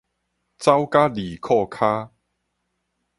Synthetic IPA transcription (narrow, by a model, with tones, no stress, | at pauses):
t͡sa˦wka˦li˨˩kʰɔ˥˧kʰa˦˥